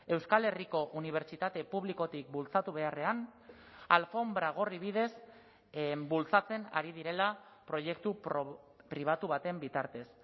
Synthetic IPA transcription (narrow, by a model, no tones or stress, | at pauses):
e̞wskale̞riko̞ʔuniβ̞e̞ɾt͡ʃit̪at̪e̞puβliko̞t̪ik̚bult͡sat̪uβ̞e̞are̞an | alfo̞mbɾaɣ̞o̞riβið̞e̞s | bult͡sat͡se̞na̰ɾiðiɾe̞la | pɾo̞je̞k̚t̪up | pɾiβ̞at̪uβ̞at̪e̞mbit̪aɾt̪e̞s